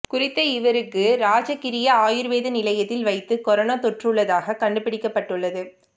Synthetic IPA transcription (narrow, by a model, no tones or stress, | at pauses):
kʊrɪt̪ːɐɪʋɐɾɯkːɯɾaːd͡ʒɐkːɪɾɪjɐaːjɯɾʋeːðɐnɪlɐjɐt̪ːɪlʋɐɪt̪ːɯkɔɾɐnaːt̪ɔʈrɯɭːɐðaːɣɐkɐɳɖɯpɪɽɪkːɐpːɐʈːɯɭːɐðɯ